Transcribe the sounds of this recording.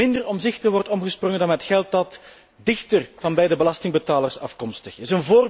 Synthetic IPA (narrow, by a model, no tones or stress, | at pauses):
ɪndərɔmzɪxtəʋɔrtɔmɣəsprɔŋəndɑnɦətxɛlˠt̚dɑt | dɪxtərv̥ɑnbɛjdəbəlɑstɪŋbətaːlərsɑfkɔmstəxɪsənvoːr